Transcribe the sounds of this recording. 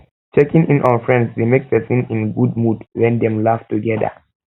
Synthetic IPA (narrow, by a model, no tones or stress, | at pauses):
t͡ʃɛkĩŋʔĩnʔɔ̃nfɹɛ̃ndsdemek̚pɛsĩnĩnɡud̚mudwɛ̃nd̪ɛ̃mlaftuɡɛdə̰